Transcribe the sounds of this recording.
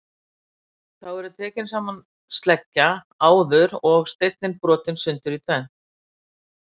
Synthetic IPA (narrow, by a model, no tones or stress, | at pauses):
θawvɛɾʏt̪ʰɛːcɪnsaːman | st̪lɛcːa | aːwðʏɾɔɣst̪ejt̪̚nɪnpɾɔːt̪ɪnsʏnt̪ʏɾit̪ʰvɛn